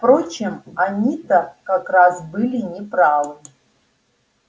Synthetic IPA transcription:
fpɾot͡ɕɪmanʲit̪ɐkakrasbɨlʲinʲɪpɾavɨ

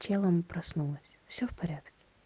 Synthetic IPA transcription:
tʲʰe̞lˠəmpɾɐsnulˠəsʲfsʲofpɐɾʲat̪kʲɪ̥

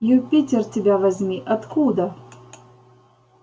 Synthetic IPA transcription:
jupʲitʲɛrtʲɪbʲavɐzʲmʲiʔɐt̪kʰud̪ɐ

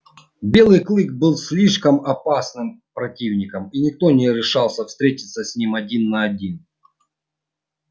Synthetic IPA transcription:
bʲe̞lˠɨjklˠɨk̚bɨlˠsʲlʲiʂkəmɐpasnɨmpɾɐtʲivnʲɪkəminʲɪk̚t̪onʲɪɾʲɪʂɑlˠsʲəfst̪ɾʲetʲɪt̪sːəsʲnʲimɐdʲinːɐɐdʲin

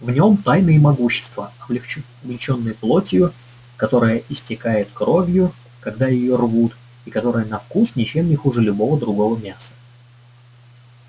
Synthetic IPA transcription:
vnʲo̞mt̪ajnɨjəmɐɡuɕːɪ̥st̪vəɐɐblʲɪt͡ɕo̞nːɨjəplˠo̞tʲɪjʊ | kɐt̪o̞ɾɨjəʔɪsʲtʲɪkajɪt̪kɾo̞vʲjʊ | kɐɡd̪ajɪjorvut̪ | ikɐt̪o̞ɾɨjənɐfkusnʲɪt͡ɕemnʲɪxuʐɨlʲʊbo̞vəd̪ɾʊɡo̞vəmʲasə̥

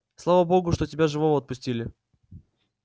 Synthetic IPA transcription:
slˠavəboɡʊʂt̪otʲɪbʲaʐɨvovəɐt̪̚pʊsʲtʲilʲɪ

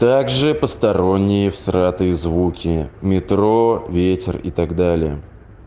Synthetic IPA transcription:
t̪aɡʐɨpəst̪ɐɾo̞nʲːɪjɪfsrat̪ɨjəzvukʲɪmʲɪt̪ɾo̞vʲetʲɪrḭt̪aɡd̪alʲɪjə̰

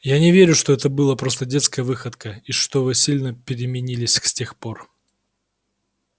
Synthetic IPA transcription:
janʲɪvʲeɾʲʊʂt̪oɛt̪əbɨlˠəpɾo̞st̪ədʲe̞t̪skəjəvɨxət̪kəiʂt̪ovɨsʲilʲnəpʲɪɾʲɪmʲɪnʲilʲɪsʲsʲtʲe̞xpo̞r

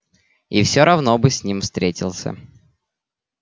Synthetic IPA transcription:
ifsʲoɾɐvnobɨsʲnʲimfst̪ɾʲetʲɪlˠsʲə̰

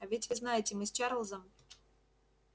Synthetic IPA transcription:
ɐvʲɪtʲvɨznajɪtʲɪmɨst͡ɕaɾəlˠzəm

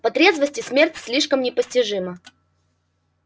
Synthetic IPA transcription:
pɐt̪ɾʲe̞zvəsʲtʲɪsʲmʲe̞rtʲsʲlʲiʂkəmnʲɪpəsʲtʲɪʐɨmə

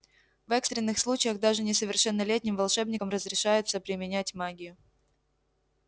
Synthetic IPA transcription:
vɛkst̪ɾʲɪnːɨxslˠut͡ɕɪjəɣd̪aʐɨnʲɪsəvʲɪrʂɛnːəlʲetʲnʲɪmvɐlˠʂɛbnʲɪkəmrəzɾʲɪʂajɪt̪səpɾʲɪmʲɪnʲætʲmaɡʲɪjʊ

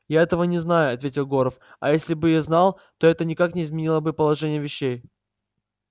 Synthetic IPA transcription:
jaɛt̪əvənʲɪznajʊɐt̪vʲetʲɪlˠɡo̞ɾəfɐ̰jesʲlʲɪbɨjaznɑlˠ | t̪o̞ɛt̪ənʲɪkaknʲɪːzmʲɪnʲilˠəbɨpəlˠɐʐɛnʲɪjəvʲɪɕːej

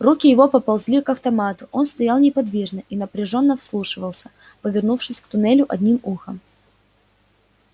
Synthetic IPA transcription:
rukʲɪjɪvo̞pəpɐlˠzʲlʲikɐft̪ɐmat̪ʊʔo̞nst̪ɐjalˠnʲɪpɐd̪vʲiʐnəʔinəpɾʲɪʐo̞nːəfslˠuʂɨvəlˠsʲə | pəvʲɪrnufʂɨsʲkt̪ʊnɛlʲʊʔɐd̪ʲnʲimuxəm

